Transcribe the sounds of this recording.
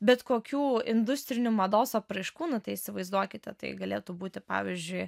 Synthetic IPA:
bʲɛt̪koːkʲuːɪnd̪ʊsʲt̪ʲɾʲɪnʲumɐd̪oːsɐpɾɐɪʃkuːnʊt̪ɐɪɪsʲɪʋɐɪzd̪uɔkʲɪt̪ʲɛt̪ɐɪɡɐlʲeːt̪uːbuːt̪ʲɪpɑ̰ːʋʲizʲd͡ʒʲʊɪ

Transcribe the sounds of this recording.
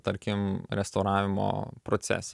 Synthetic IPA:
t̪ɐɾʲkʲɪmɾʲɛst̪ɐʊɾɑːʋʲɪmo̰ːpɾot̪sʲɛ̰ːsʲ

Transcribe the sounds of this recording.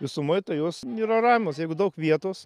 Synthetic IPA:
ʋʲɪsʊmoɪt̪ɐɪjoːsnʲiːɾɐɾɑːmʲmoːsjɛɪɡʊd̪ɐʊkʋʲiɛt̪oːs

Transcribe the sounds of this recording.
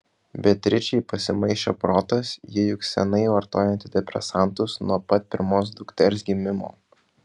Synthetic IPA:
bʲɛt̪ʲɾʲɪt͡ʃʲɛɪpɐsʲɪmɐɪʃʲt͡ʃʲo̰ːpɾoːt̪ɐsjiɛjʊksʲɛnɐɪʋɐɾt̪oːjɛnʲt̪ʲɪd̪ʲɛpʲɾʲɛ̰sɑˑnˑt̪ʊsnuɔpɐt̪̚pʲɪɾmoːs̬d̪ʊkt̪ʲɛlʲsɡʲɪmʲɪmo̰ː

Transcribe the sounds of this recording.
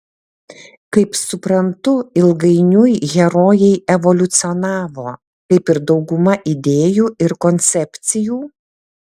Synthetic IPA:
kɐɪpsʊpɾɐnt̪ʊɪlˠɡɐɪnʲʊjɣʲɛɾoːjɛɪɛʋɔlʲʊt̪sʲɪɔnɑːʋoː | kɐɪpɪɾd̪ɒʊɡʊmɐʔɪd̪ʲeːjuːɪɾkɔnʲt̪sʲɛpʲt̪sʲɪjuː

